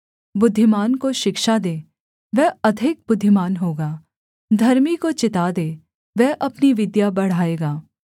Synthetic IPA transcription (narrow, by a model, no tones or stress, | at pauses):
bʊd̪ʱːɪmaːnkoʃɪkʃad̪eː | ʋɛɦɐd̪ʱɪk̚bʊd̪ʱːɪmaːnɦoːɡaː | d̪ʱɐɾmikot͡ʃɪt̪aːd̪eː | ʋɛɦʔɐpniʋɪd̪jabɐɽ̤aːeːɡaː